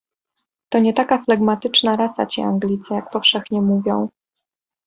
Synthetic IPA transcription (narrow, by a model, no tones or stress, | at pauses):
t̪ɔɲɛt̪akaflaɡmat̪ɘt͡ʂnaɾasa̰t͡ɕiaŋɡlʲit̪sɛjak̚pɔfʂɛxɲɛmuvʲjɔ̰̃w̃